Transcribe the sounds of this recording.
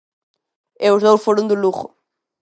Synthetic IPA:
euzðowʃfoɾõnd̪uluɣʊ̰

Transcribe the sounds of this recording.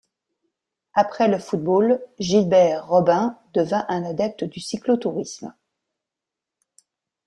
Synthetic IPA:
apχɛləfut̪̚bolʒilbɛʁːɔbɛ̃d̪əvɛ̃ʔɛ̃nad̪ɛp̚t̪əd̪ysiklot̪uʁism

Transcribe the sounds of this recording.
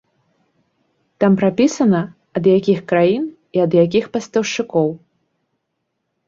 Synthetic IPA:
t̪ampɾapʲisɐnɐ | ɐd̪jakʲixkɾajin | iɐd̪jakʲixpɐst̪ɐwʂt͡ʂɨkɔw

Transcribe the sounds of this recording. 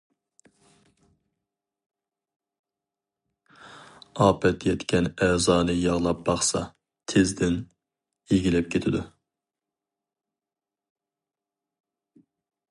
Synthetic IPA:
ɑːpʰɛt̪jɛt̪kʲʰɛnɛːzɑːnɨjɑʁlˠɑp̚b̥ɑχsɑ | t̪ʰezd̪ɪn | eɡʲilɛp̚kʲʰet̪ʰɪd̪u

